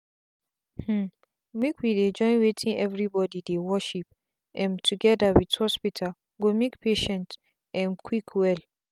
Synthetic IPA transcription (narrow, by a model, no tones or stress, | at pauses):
h̩ | mekwided͡ʒɔ̃ɪ̃nwetʰĩnɛvɹibɔdidewɔʃip | ʔɛ̃ntʰuɡɛdawithɔspitʰal | ɡomekpʰeʃɛ̃nt | ɛ̃nkʰwikʰwɛl